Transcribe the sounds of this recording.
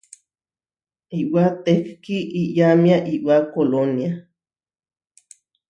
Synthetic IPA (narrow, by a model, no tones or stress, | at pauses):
iʔwat̪ekkiʔiʔjamiaʔiʔwakolonja